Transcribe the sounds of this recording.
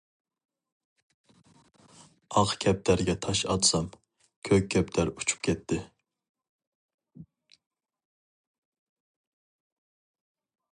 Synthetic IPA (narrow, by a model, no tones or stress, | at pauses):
ɑqkʲʰɛp̚t̪ʰæɾɡʲɛt̪ʰɑʃɑt̪sɑm | kʲʰøkʲʰːɛpt̪ʰæɾut͡ʃʰu̥p̚kʲʰɛt̪ʰːɪ